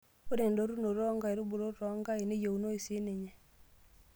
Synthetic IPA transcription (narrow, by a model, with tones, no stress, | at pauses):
o˦de˨ndo˦ɾu˦no˨ɾɔ˦ŋɡa˨i˨ɾu˦bu˨ɾo˦ɾɔ˨˦ŋɡa˦i˨ni˦jo˨u˨no˦i˨si˦ni˨ɲɛ˨